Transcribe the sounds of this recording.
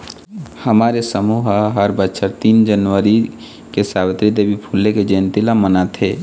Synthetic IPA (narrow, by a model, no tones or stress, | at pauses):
həmaːɾesəmuɦɦəɾbətːʃʰəɾt̪iːnd͡ʒənʋəɾi | kesabət̪ɾid̪ebipʰulːeked͡ʒent̪ilamənat̪ʰe